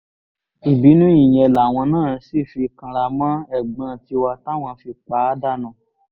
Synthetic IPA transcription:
i˨bi˨˦nũ˦i˦˨j̃ɛ̃˧˨la˨w̃ɔ̃˧nãː˦˨si˦˨fi˧kã˧ɾa˧mã˦ɛ˦˨ɡ͡bã˨˦˨ti˧wa˧ta˦w̃ɔ̃˧fi˧k͡pa˨˦da˦˨nũ˨

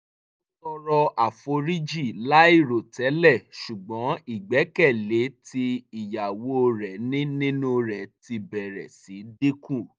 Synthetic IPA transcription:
o˦tɔ˧ɾɔ˧ʔa˨fo˧ɾi˦d͡ʒi˦˨la˦i˦˨ɾo˨tɛ˨˦lɛ˦˨ʃu˨ɡ͡bɔ̃˨˦i˦˨ɡ͡bɛ˨˦kɛ˦˨le˨˦ti˧i˨ja˨wo˨˦o˧ɾɛ˨nĩ˦nĩ˦nũ˦ɾɛ˨ti˧bɛ˨ɾɛ̰˨si˨˦di˦kũ˦˨

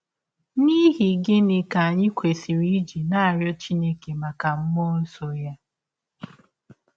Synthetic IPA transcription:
ni˦ɦi˨ɡe˦nɪ˨ka˨a˨ɲɪ˦kʷʰe˨si˨ɾi˦d͡ʒi˨na˦a˨ɾjɔ˦t͡ʃi˦ne˦ke˨ma˨ka˨m̩˦mɔ˦n̩˦so˨ja˦

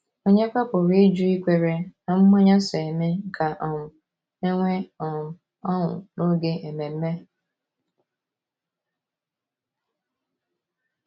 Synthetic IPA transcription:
o˦ɲe˦ka˦pʊ˨ɾi˦d͡ʒu˦i˦kʷe˦ɾe˨na˨m̩˦mɔ˦ɲa˦se˨e˨me˦ka˨ʔɔ˨ŋʊ˨ | e˦ŋʷe˦ɔ˨ŋʊ˨ | ɔ˦ŋʊ̰˨no˦ɡe˦e˨me˨m̩˦me˦

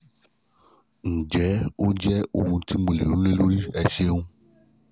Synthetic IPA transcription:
ñ̩˨d͡ʒɛ˨˦o˦d͡ʒɛ˦o˨ũ˧ti˦mõ˨le˨lu˨˦le˦lo˦ɾi˦ɛ˧ʃe˦ŋũ˦

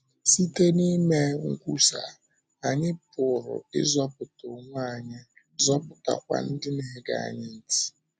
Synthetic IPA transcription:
si˦te˦ni˦me˦ŋ̩˦kʷu˦sa˨ | a˨ɲɪ˦pʊ˨ɾʊ̰˨ɪ̰˦zɔ˦pʊ˨tʊ˨ŋʷ˦a˨ɲɪ˦ | zɔ˦pʊ˨ta̰˨kʷa̰˨n̩˦dɪ˦ne˦ɦe˦ɡa̰˨a̰˨ɲɪ˦n̩˨ti̥˦

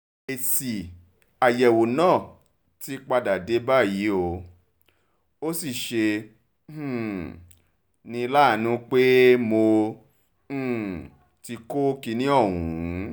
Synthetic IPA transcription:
e˨si˨ | a˨jɛ˨wo˨nãː˦˨ | ti˨˦k͡pa˧da˨de˨˦ba˦˨ji˨˦o˧ | o˦si˦˨ʃẽ˧˨ | nĩ˧˦la˦˨nũ˨˦k͡pe˦mo˧˦ | ti˧ko˦ki˧nĩ˦ɔ˦˨wũ˨˦

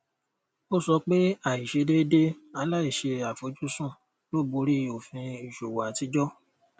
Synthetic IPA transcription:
o˦˨sɔ˧k͡pe˦a˦˨i˨ʃe˧de˦de˦a˧la˦i˦˨ʃe˧a˨fo˨˧˦d͡ʒu˦sũ˦˨ | lo˦˨bo˧˦ɾi˦o˨fĩ˧i˨ʃo˨wa˨ti˨˦d͡ʒɔ˦

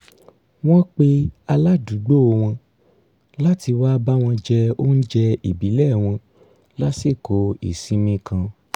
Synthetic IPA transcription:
w̃ɔ̃˦k͡pe˦a˧la˦du˨˦ɡ͡bo˦o˧w̃ɔ̃˧ | la˦ti˧wa˦ba˦w̃ɔ̃˧d͡ʒɛ˧o˦n̩˦d͡ʒɛ˧i˨bi˨˦lɛ˦˨w̃ɔ̃˧ | la˦si˦˨ko˨˦ḭ˨sĩ˨˦mĩ˧kʰã˧

